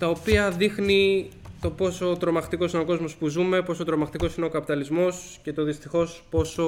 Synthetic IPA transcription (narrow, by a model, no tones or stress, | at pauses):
t̪ɐopiɐðixni | t̪o̞po̞so̞t̪ɾo̞mɐxt̪iko̞sineo̞ko̞zmo̞spuzume̞po̞so̞t̪ɾo̞mɐxt̪iko̞sine̞o̞kɐpit̪ɐlizmo̞sce̞t̪o̞ðist̪ixo̞spo̞so̞